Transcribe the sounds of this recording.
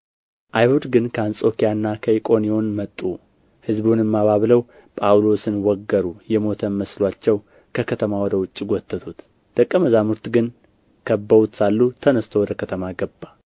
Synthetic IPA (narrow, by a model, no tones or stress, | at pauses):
ʔajhud̪ɡɨnkʰəansʼo̞kijanːakʰəikʼo̞nijo̞nmət̪ʼːu | hɨzbunjɛmːaβaβləw | pʼawlo̞sɨnwɔɡːəɾujɛmo̞t̪ʰənməslwat͡ʃːɛw | kʰəkʰət̪ʰəmawɔd̪əwʊt͡ʃʼːiɡʷɔt̪ʰʼːət̪ʰut̪ | d̪̥əkʼːəməzamuɾt̪ɡɨn | kʰəbːəβut̪salːut̪ʰənəst̪ʰowɔd̪əkʰət̪ʰəmaɡəbːa